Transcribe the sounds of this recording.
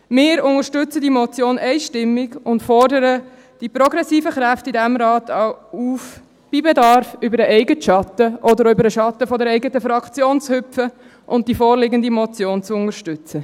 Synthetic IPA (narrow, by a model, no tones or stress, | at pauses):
mɪːɾʊŋəɾʃtʏt͡sədimɔt͡sjoːnɛɪʃtɪmːɪɡʊntfɔrdəɾə | d̥ipɾɔɡɾɛsiːfəχɾæftidɛmɾɑːt̪ʰɑuːf | b̥ibɛdɑɾfʏbəɾəʔɛɪɡətʃɑtəʔɔdəɾʏbəɾəʃɑtːəfɔdɛɾɛɪɡətəfɾɑkʰt͡sjoːnt͡shʏpfə | ʔʊnt̚d̥ifɔːɾlɪɡəndimɔt͡sjoːnt͡suʊŋəɾʃtʏt͡sə